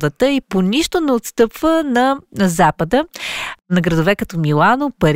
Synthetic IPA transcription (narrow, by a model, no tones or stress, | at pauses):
d̪ət̪əiponiʃt̪onɛot̪st̪ɤpvənɐnzapəd̪ənɐɡɾəd̪ovɛkɐt̪ɔmilˠanopɐɾ